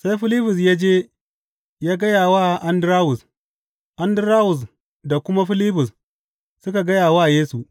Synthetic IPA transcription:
sa˦jɸɪ˦li˦ɸʊ˨s̬jaː˦d͡ʒeː˦ | jaː˦ɡɐ˦jaː˨waː˦˨ʔa˦ndɾaː˦wʊ˨s | ʔa˦ndɾaː˦wʊ˨s̬ | da˨kʷʊ˦ma˦ɸɪ˦liː˦ɸʊ˨s | sʊ˦ka˨ɡɐ˦jaː˨wa˦˨jeː˦su˨ʔ

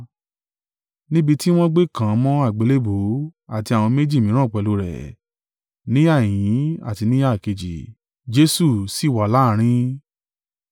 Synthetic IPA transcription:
nĩ˦bi˧ti˦w̃ɔ̃˦ɡ͡be˦˨kã˨˧mɔ̃˦a˦˨ɡ͡be˨˦le˦bo˨˦a˦˨ti˧a˨w̃ɔ̃˧me˦d͡ʒi˦˨mĩ˨˦ɾ̃ã˦˨k͡pɛ˨lo˧˦ɾɛ̰˨ | nĩ˦a˦˨j̃ĩ˨˦a̰˦˨ti˧nĩ˦a˦˨ke˧d͡ʒḭ˨ | d͡ʒe˨˦su˦˨si˨˦˨wa˨la˦˨˦ɾ̃ĩ˦

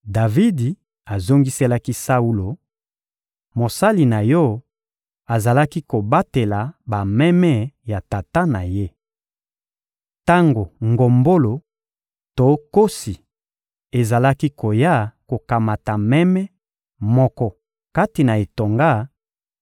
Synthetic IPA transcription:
da˨vi˦di˨ | a˨zo˦ŋɡi˦se˦la˦ki˦sa˦u˦lo˨ | mo˨sa˦li˨na˨jɔ˦ | a˨za˨la˦ki˦ko˨ba˦te˨la˨ba˨mɛ˦mɛ˦ja˨ta˨ta˦na˨je˦ | ta˦ŋɡo˨ŋɡo˨mbo˦lo˨ | to˨˦ko˦si˨ | e˨za˨la˦ki˦ko˨ja˦ko˨ka˨ma˨ta˨mɛ˦mɛ˦ | mɔ˦kɔ˦ | ka˦ti˨na˨e˨to˨ŋɡa˦

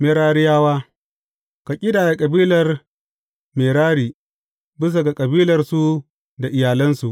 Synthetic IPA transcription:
me˨ɾaː˦ɽɪ˦jaː˦waː˦ | ka˨kʲʼɪ˦daː˨ja˨kʼɐ˨biː˦lɐ˨r | meː˨ɽaː˦ɽiː˨ | bɪ˦s̬a˨ɡa˨kʼɐ˨biː˦lɐ˨rsu˦ | da˨ʔɪ˨jaː˨lɐ˦nsu˨ʔ

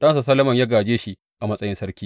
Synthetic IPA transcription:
ɗɐ˦nsa˨sɐ˦lːɐ˦mɐ˨ɲja˦ɡaː˨d͡ʒeː˦ʃi˦ | ʔa˨mɐ˦sʼɐ˦jɪ˦nsɐ˦ɾkʲiː˦

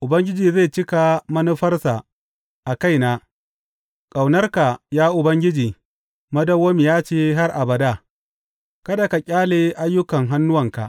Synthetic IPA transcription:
ʔʊ˨bɐ˦ŋɡʲɪ˦d͡ʒiː˨za˦˨t͡ʃɪ˦ka˨mɐ˦nu˦ɸɐ˦rsa˨ | ʔa˨ka˦˨jnaː˦ | kʼa˨wnɐ˦rka˨jaː˦ʔʊ˨bɐ˦ŋɡʲɪ˦d͡ʒiː˨ | mɐ˦dɐ˦wːɐː˦mi˨jaː˦t͡ʃeː˦ɦa˦rʔa˨bɐ˨da˦˨ | kɐ˦da˨ka˨kʲʼaː˦leː˨ʔa˦jːʊ˦kɐ˨ŋɦa˦nːʊ˦wɐ˨ŋka̰˨ʔ

